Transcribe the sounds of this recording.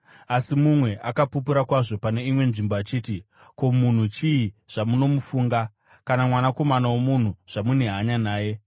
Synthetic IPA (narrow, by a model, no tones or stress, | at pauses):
asimumwe̞ʔakapupuɾakwaʐo̞pane̞imwe̞nʐimboat͡ʃiːti | ko̞mun̤ut͡ʃiiʐ̥amuno̞mufuːŋɡa | kanamwanako̞manawomun̤uʐ̥amune̞ɦaɲanaːje̞